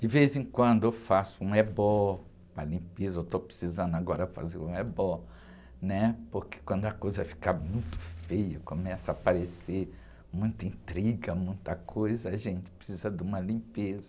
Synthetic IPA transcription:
d͡ʒɪvezẽkwɐ̃nd̪ʊewfasʊũɛbɔ | pɾɐlĩpezɐewt̪opɾɪ̥sizɐ̃nd̪ʊaɡɔɾɐfa̰zeɾũɛbɔ | nɛpoɾke̥kwɐ̃nd̪ʊɐkojzɐfi̥kamũj̃t̪ʊ̥fejɐkomɛsɐapaɾese | mũj̃t̪ĩnt̪ɾiɡɐmũj̃t̪ɐkʰojzɐaʒẽnt͡ʃɪ̥pɾe̥sizɐd̪ũmɐlĩpezɐ

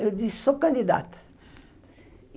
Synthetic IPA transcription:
d̪isokɐnd̪id̪a̰ːt̪

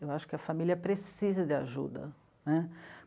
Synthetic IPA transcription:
ewaʃʊ̥kɪɐfamiljɐpɾesizɐd̪ɪaʒṵd̪ɐ̰ | nɛ

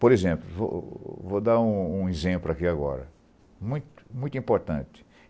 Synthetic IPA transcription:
poɾezẽplʊvo̰vod̪aɾũũezẽplʊakiaɡɔ̰ɾɐ̰ | mũj̃t̪ʊ̥mũj̃t̪uĩpoɾt̪ɐ̃nt̪ɪ̥

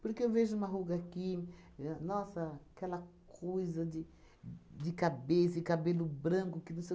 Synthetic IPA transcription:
poɾkeewveʒʊũmɐɦuɡɐaːki | nɔsɐkɛlɐkʰojzɐd̪ɪ | d̪ɪkabesɐɪkabelʊbɾɐ̃kʊkɪnũse

